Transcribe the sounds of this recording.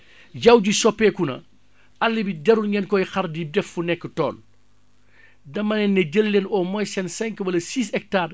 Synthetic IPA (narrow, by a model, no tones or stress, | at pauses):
jɐwɟisɔpːɛːkunɐ̰ | ʔɐlːibidɛɾulɲɛnkɔjxɐɾdidɛfːunɛkːətɔ̰ːn | dɐmːɐnɛnːɐɟəlːenɔmɔjsɛnsɛŋkwɐlɐsiːs̬ɛk̚taːr